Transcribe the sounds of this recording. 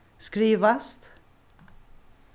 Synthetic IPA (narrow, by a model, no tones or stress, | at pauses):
skɾiːʋast̪